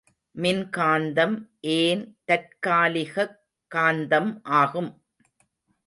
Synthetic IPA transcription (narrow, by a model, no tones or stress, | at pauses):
mɪnkaːnd̪ɐmʔeːnt̪ɐʈ̚kaːlɪɣɐ | kːaːnd̪ɐmʔaːɣɯm